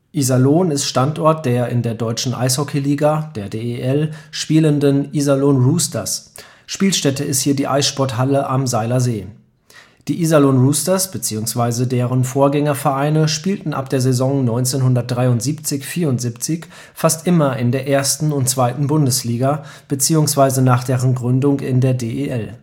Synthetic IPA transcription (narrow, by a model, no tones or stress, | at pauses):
ʔizaloːnɪstʃtantʔɔɐt̚d̥eːɐʔɪ̰ndeːɐdɔʏt͡ʃn̩ʔa̰ɪshɔkʰeliːɡad̥eːɐdeːʔɛlʃpiːləndənʔizaloːnʁuːstɐs | ʃpiːlʃtɛtəɪsthiːɐdiːʔa̰ɪsʃpɔɐthɦaləʔamzaɪlɐzeː | d̥iːʔiːzaloːnʁuːstɐsb̥ət͡siːʊŋsv̥aɪzədeːʁənfoːɐɡɛŋɐfɛɐʔaɪnəʃpiːltn̩ʔa̰p̚d̥eːɐzezɔŋnɔʏnt͡seːnhʊndɐt̚d̥ʁaɪʊntz̥iːpt͡sɪçfiːɐʊntz̥iːpt͡sɪç | fastʔɪmɐɪndeːɐʔeːɐstn̩ʊntt͡sv̥aɪtn̩bʊndəsliːɡa | b̥ət͡siːʊŋsv̥aɪzənaːχd̥eːʁənɡʁʏndʊŋɪ̰ndeːɐdeːʔeʔɛl